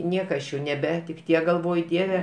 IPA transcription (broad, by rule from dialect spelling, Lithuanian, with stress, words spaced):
ˈnʲiɛkɐ ɐʃ ˈjɛʊ nʲɛˈbʲæːtʲɪkʲ ˈtʲiɛk ɡɐlˠˈʋoːj ˈdʲiɛʋʲɛ